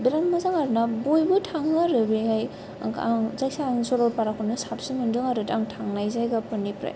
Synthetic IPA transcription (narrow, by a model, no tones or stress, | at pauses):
biɾanmɯzaŋaɾɯnabojbɯtʰaŋːaɾɯbihaj | aŋzajsaŋsɔɾalpaɾakʰɔnɯsap̚simɯndɯŋaɾɯtaŋtʰaŋnajzajɡapɯnːipɾa̰j